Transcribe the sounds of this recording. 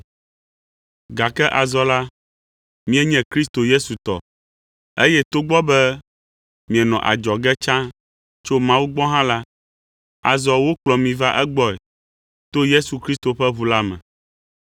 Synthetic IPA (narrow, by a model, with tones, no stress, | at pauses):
ɡa˨kɛ˦ʔa˨zɔ˨la˦ | mĩ˦ɛ˦ɲɛ̃˨kɾi˦s̬t̪o˨je˦su˨t̪ɔ̰˨ | e˦jɛ˦t̪o˦ɡ͡bɔ˦bɛ˦ | mĩ˨ɛ˨nɔ̃˨ʔa̰˨d͡ʒɔ˨ɡɛ˦t͡ʃã˦ | t͡ʃo˦mã˦wu˦ɡ͡bɔ˦ɦã˦la˦ | a̰˨zɔ˨wo˦k͡plɔ˨mĩ˨va˦ʔɛ˦ɡ͡bɔ˦ɛ̰˨ | t̪o˦je˦su˨kɾi˦st̪o˨ɸɛ˦βu˨la˦mɛ̰̃˨